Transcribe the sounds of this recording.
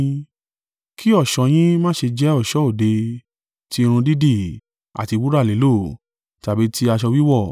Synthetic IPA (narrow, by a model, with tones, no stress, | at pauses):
kʰi˦ɔ˦˨ʃɔ˨˧j̃ĩ˦mãː˦˨ʃe˧d͡ʒɛ˦ɔ˦˨ʃɔ˨˦o˦˨de˧ | ti˧˦˧ɾ̃ũ˧di˦di˦˨ | a̰˨ti˧wu˦ɾa˦˨le˨˦lo˦˨ | ta˨bi˨˦ti˦a˧ʃɔ˧wi˦wɔ˦˨